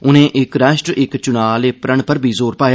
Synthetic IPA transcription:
ʊnẽːʔɪkɾɛːʃʈɾɪkt͡ʃʊnaːleːpɾəɳpəɾbʱiːzoːɾpaːja

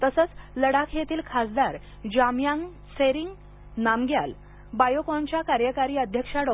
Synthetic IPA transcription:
t̪əsət͡sləɽakʰjet̪ʰiːlkʰasd̪aɾ | d͡ʑamjãŋ | seɾiŋɡ | namɡja̰l | bajokɔɲt͡ɕjakaɾjəkaɾiːəd̪ʱjəkʂaɽɔ

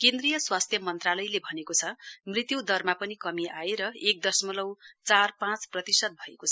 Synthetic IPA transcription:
kend̪rijʌswast̪ʰjʌmʌnt̪ralʌjlebʱʌnekot͡sʰʌmrit̪jud̪ʌrmapʌnikʌmiaeɾʌek̚d̪ʌrsmʌlʌwt͡sarpãt͡sprʌt̪isʌd̪̚bʱʌekot͡sʰʌ

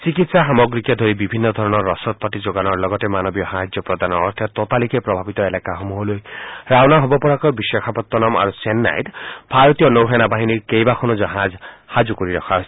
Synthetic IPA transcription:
sikit̪saɦamɔɡɾikad̪ʱoɾibibʱinːɔd̪ʱɔɾɔnɔɾːɔsɔt̪̚pɔtid͡ʒoɡanɔɹlɔɡɔt̪emanɔbjɔɦajd͡ʒjɔpɾɔd̪ʱanɔ̰ːɾt̪ʰɔt̪ɔt̪alikepɾɔbʱabit̪ɔelakaxomuɦɔlojɾawnaɦobɔpɔɹakɔjbisɔkʰapɔt̪ːɔnama̰ɾusenːa̰jt̪b̥ʱaɹɔt̪ijɔnowɦenabaɦiniɹkejbakʰɔnud͡ʒɔɦazhad͡ʒukɔɾiɾɔkʰaɦ

